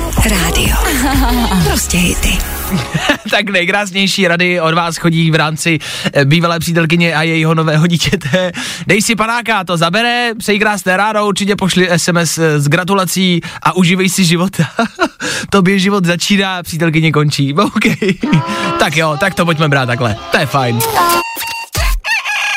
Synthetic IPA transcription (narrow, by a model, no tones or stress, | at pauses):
ɾaːdɪ̰o̰ | pɾoscɛjɪ̰t̪ɪ | t̪aknɛjkɾaːsɲɛjʃiːɾadɪo̞dvaːsxo̞ɟiːvɾaːmt͡sɪ | biːvalɛːpr̥iːt̪ɛlk̬ɪɲɛʔajɛjɪɦo̞no̞vɛːɦoɟiːcɛt̪ɛ | dɛjsɪpanaːkat̪o̞zabɛɾɛpsɛjikɾaːsnɛːɾaːdouɾt͡ʃɪcɛpoʃlɪʔɛsɛmɛszɡɾat̪̬ulat͡siːʔaʔuʒɪvɛjsɪʒɪvot̪ʰa | t̪o̞bjɛʒɪvo̞d̪zat͡ʃiːnaːpr̥iːt̪ɛlk̬ɪɲɛko̞nt͡ʃiːowkɛjt̪akjot̪ak̚t̪op̬oc̬̚mɛbɾaːt̪tːaklɛt̪ojɛfajn